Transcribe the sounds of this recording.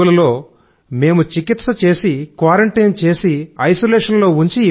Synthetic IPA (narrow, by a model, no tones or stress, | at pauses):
ulɐlo̞ː | me̞ːmut͡ʃikit̪sɐt͡ʃe̞ːsikʋaːɾɐɳʈɐjnt͡ʃe̞ːsiɐjsoleːʂɐnlo̞ːuɲt͡ʃi